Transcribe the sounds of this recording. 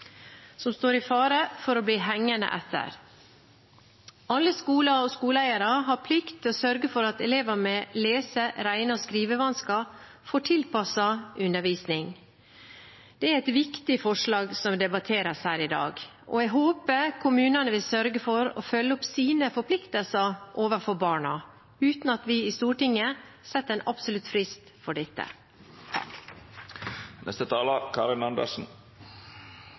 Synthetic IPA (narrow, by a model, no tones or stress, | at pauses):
sɔmst̪oːɾɪfɑːɾəfɔɾɔbliːɦɛŋːənə̰ʔɛt̪ʰːə̰ɾ | ʔɑlːəskuːlɑɔskuːləæɪɑɾɑɦɑɾpʰlɪkt̪ʰɪɔsœɾɡəfɔɾɑt̪ɛleːʋəmɛleːsəɾæɪnɑskɾiːʋəʋɑnskɑ | foːʈʰɪlpɑsɑʔʉnːəɾʋiːsnɪŋ | d̪̥ɛæɾɛɪt̪ʋɪkt̪ɪfɔʂlɑːɡsɔmd̪ɛbɑt̪ʰeːɾəshæːɾɪd̪ɑ̰ːɡ | ʔɔ̰ɛɡɦoːpəkʰʊmʉːnənəʋɪlsœɾɡəfɔɾɔ̰fœlːəʊpsiːnəfɔɾpʰlɪkt̪əlsəɾʔoːʋəɾfɔbɑːɳɑ | ʉːt̪n̩ɑt̪ʋɪɪst̪uːʈɪŋːəsɛt̪ːɛnʔɑbsʊlʉt̪fɾɪst̪fɔɖɛt̪ːə̰ | nɛ̰st̪ət̪ʰɑːləkʰɑɾɪnɑnd̪ə̰ʂn̩